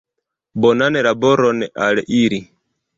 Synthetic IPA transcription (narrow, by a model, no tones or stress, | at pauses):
bɔnanɛɾabɔɾɔnɛʔaɺɛʔiːɾi